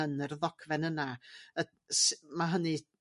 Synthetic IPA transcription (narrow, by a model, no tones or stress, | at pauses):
ənərðɔkʰvɛnənaə | smaɦənɨ